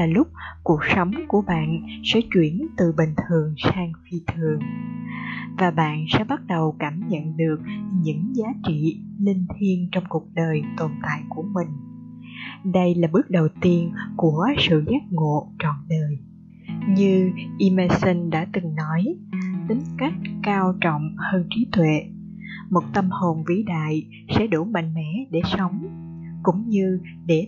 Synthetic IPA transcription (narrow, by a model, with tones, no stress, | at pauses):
laː˨˩lʊ˦˥k͡p̚ku˨˩ək̚sə˨˦wŋ͡mku˧˩əɓa̰ː˧˨nsɛ̰˧˥t͡ɕwi˧˩ənt̪ɨ˨˩ɓï˨˩ŋ̟t̪ʰɨ˨˩əŋsaː˧ŋfi˧t̪ʰɨ˧˩əŋ | vaː˨˩ɓa̰ː˧˨nsɛ̰˧˥ɓa˦˥t̚ɗə˨˩wkaː˧˩mɲə̰˧˨nɗɨ˨˩ək̚ɲɨ̰˧˥ŋzaː˨˦t͡ɕḭ˧˨li˧ŋt̪ʰi˧ənt͡ɕɔ˧wŋ͡mku˨˩ək̚ɗəː˨˩jt̪o˨˩nt̪a̰ː˧˨jku˧˩əmï˨˩ŋ̟ | ɗə˧jlaː˨˩ɓɨ˦˥ək̚ɗə˨˩wt̪i˧ənku˧˩əsɨ̰˧˨zɛː˦˥t̚ŋo̰˧˨t͡ɕɔ̰˧˨nɗəː˨˩j | ɲɨ˧ʔi˧me˧sə˧nɗa̰ː˧˥t̪ɨ˨˩ŋnɔ˨˦jt̪ï˨˦ŋ̟ka˦˥jk̟̚kaː˧wt͡ɕɔ̰˧˨wŋ͡mhəː˧nt͡ɕi˨˦t̪wḛ˧˨ | mo˨˩t̚t̪ə˧mho˨˩nvḭ˧˩˦ɗa̰ː˧˨j | sɛ̰˧˥ɗu˧˩ma̰˧˨ŋ̟mɛ̰˧˥ɗe˧˩sə˨˦wŋ͡m | kʊ̰˧˥ŋ͡mɲɨ˧ | ɗe˧˩